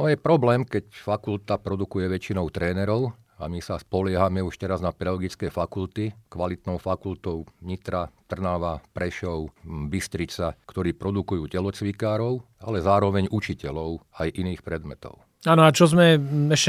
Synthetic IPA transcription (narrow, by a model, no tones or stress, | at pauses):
nɔjɛpɾɔblɛːmkɛcfakult̪apɾɔd̪ukujɛʋɛt͡ʃinɔʊt̪ɾɛːnɛɾɔʊ | a̰misaspɔlɪɛɦamɛuʃt̪ɛɾaznapɛd̪alɔɡit͡skɛːfakult̪ikʋalit̪nɔʊfakult̪ɔʊʋɲit̪ɾat̪r̩naʋapɾɛʃɔʊbist̪ɾit͡sakt̪ɔɾiːpɾɔd̪ukujuːcɛlɔt͡sʋikaːɾɔʊ | alɛzaːɾɔʋɛɲut͡ʃicɛlɔʊajʔiniːxpɾɛd̪mɛt̪ɔ̰ʊ | aːnɔat͡ʃɔzmɛɛʃɛ